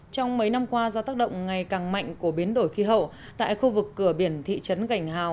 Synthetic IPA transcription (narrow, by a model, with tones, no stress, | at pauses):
t͡ɕɔ˧wŋ͡mmə˨˦jna˧mkwaː˧zɔː˧t̪aː˦˥k̚ɗə̰˧˨wŋ͡mŋa˨˩jkaː˨˩ŋma̰˧˨jŋ̟ku˧˩əɓi˨˦ənɗo˧˩jxi˨˧˦ɦə̰˧˨w | t̪a̰ː˧˨jxu˧vɨ˨˩kːɨ˧˩əɓi˧˩ənt̪ʰḭ˧˨t͡ɕə˨˦nɣa˧˩jŋ̟ɦa̰ː˧˨w